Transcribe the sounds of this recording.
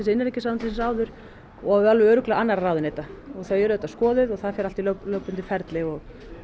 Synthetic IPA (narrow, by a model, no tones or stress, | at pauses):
ɛs̬ɪnɪɾɛhcɪsaːmant̪ɪssaːwðʏɾ̥ | ɔalvɪœːɾʏklɛɣaanːaɾarawðɪnejt̪aɔɣθajɛɾʏɛt̪askɔːðɪðɔɣθaðfɛɾal̥t̪ilœplœːwpʏnt̪ɪfɛɾt̪lɪɣɔɣ